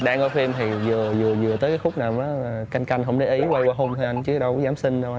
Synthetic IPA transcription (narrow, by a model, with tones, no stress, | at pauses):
ɗa̰ː˧ŋkɔ˧fi˧mt̪ʰi˨˩zɨ˨˩əzɨ˨˩əzɨ˨˩ət̪əː˨˦kaː˨˦xʊ˦˥k͡p̚naː˨˩mʔaː˨˦˨ka˧jŋ̟ka˧jŋ̟ɦə˧˩wŋ͡mɗe˧˩ʔi˨˦wa˧jwaː˧ɦo˧mt̪ʰi˨˩jʔa˧jŋ̟t͡ɕɨ˨˦ɗə˨˦wzaː˨˦msï˧ŋza˧wʔa˧